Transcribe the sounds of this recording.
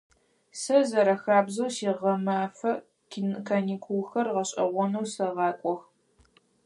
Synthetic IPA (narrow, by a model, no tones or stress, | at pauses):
sɐzɐɾɐxaːbzɐwsiːʁɐmaːfɐ | kʰinkʰɐniːkʰʷulxɐrʁɐɕʼɐ̰ʁʷɔnɐwsɐʁɑːkʷʼɔx